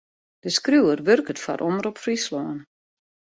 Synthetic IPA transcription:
d̥əskruwərʋørkətfa̰rʔoməɾɔpfrislɔːən

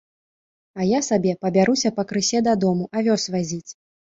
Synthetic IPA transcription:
ɐjasabʲɛpɐbʲaɾusʲɐpɐkɾɨsʲɛd̪ad̪ɔmuʔɐvʲɔsvazʲit͡sʲ

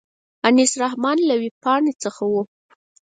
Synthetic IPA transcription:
anisɾaɦmɑnlawipɑɳit͡səxawu

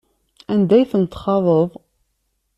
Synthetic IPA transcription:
ænd̪æjθənt̪ːχɑðˤəðˤ

